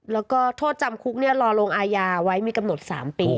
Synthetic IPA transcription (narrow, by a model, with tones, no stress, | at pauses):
lɛː˦˥wwkɔː˥˩t̪ʰoː˥˩t̪̚t͡ɕa˧mkʰu˦˥k̚ni˥˩ɐlɔː˧loː˧ŋʔaː˧jaː˧wa˦˥jmiː˧ka˧mno˨˩t̪̚sa̰ː˩˦mpiː˧